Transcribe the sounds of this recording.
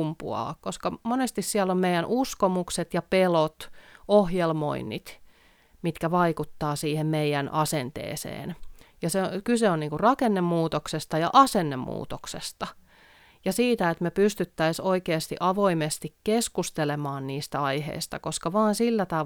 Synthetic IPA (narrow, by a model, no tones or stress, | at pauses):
mpṵɑ̰ːkkoskɑmonest̪issiælːommeijˑænʔuskomukset̪jɑpelot̪ohjelmo̰inːḭt̪ | mit̪kæʋɑikut̪ːɑːsiːhemmeijænʔɑsent̪ḛːsḛːnjɑseokyseonniːŋkurrɑkenːemːuːt̪oksest̪ɑjɑ̰ʔɑsenːemːṵːt̪oksest̪ɑ | jɑsiːt̪æet̪mepyst̪yt̪ːæisoikeːst̪iʔɑʋoimest̪ikkeskust̪elemɑːnniːst̪æɑihḛist̪ɑkoskɑʋɑːnsilːæt̪ɑ